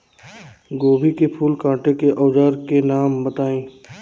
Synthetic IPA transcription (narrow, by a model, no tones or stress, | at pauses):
ɡoːbʱikepʰuːlkãːʈekeʔɔːd͡ʒaːɾkenaːmbət̪aːẽː